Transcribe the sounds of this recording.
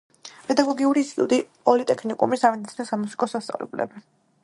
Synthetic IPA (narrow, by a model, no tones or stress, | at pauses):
pʼɛd̪aɡɔɡiuɾisṵd̪ipʼɔlit̪ʼɛkʰnikʼṵmisavid̪it̪sʰinɔsamusi̥kʼɔsast̪sʼa̰vlɛ̰bulɛ̰bi